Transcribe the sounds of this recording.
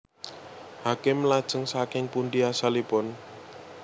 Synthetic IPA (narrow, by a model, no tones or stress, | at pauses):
hakɪmlad̥ʒ̥ə̤ŋsakɪŋpuɳɖiasalipʊn